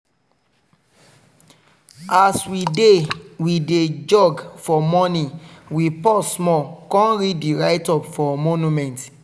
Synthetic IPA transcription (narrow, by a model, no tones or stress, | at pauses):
aswidewided͡ʒɔɡfɔmɔnĩwipɔsmɔkɔ̃nɹiddiɹaɪtɔpfɔmonumɛ̃nt